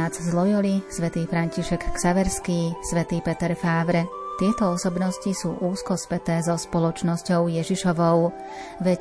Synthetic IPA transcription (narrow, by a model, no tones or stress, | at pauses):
ad͡zzlɔjɔlisʋɛt̪iːfɾaɲciʃɛkːsaʋɛɾskiːsʋɛt̪iːpɛt̪ɛɾfaːʋɾɛ | t̪ɪɛt̪ɔɔsɔbnɔscisuːʔuːskɔspɛt̪ɛːzɔspɔlɔt͡ʃnɔscɔʊjɛʒiʃɔʋɔʊ | ʋɛc